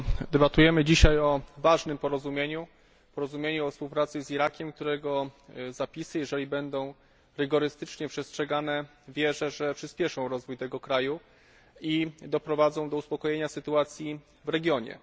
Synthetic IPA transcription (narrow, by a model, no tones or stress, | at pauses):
d̪ɛbat̪ujɛmɘd͡ʑiɕajɔvaʐnɘmpɔɾɔzumʲjeɲu | pɔɾɔzumʲjeɲuɔfspuwpɾat̪sɘziɾakʲɛmk̚t̪uɾɛɡɔzapʲisɘjɛʐɛlʲibɛnd̪ɔ̃w̃ | ɾɘɡɔɾɘst̪ɘt͡ʂɲɛpʂɛstʂɛɡanɛ | vʲjɛʐɛʐɛpʂɘspʲjɛʂɔ̃w̃ɾɔzvujt̪ɛɡɔkɾaju | id̪ɔpɾɔvad̪zɔ̃w̃d̪ɔuspɔkɔjɛɲasɘt̪uat̪sʲji | vɾɛɡʲjɔɲɛ̰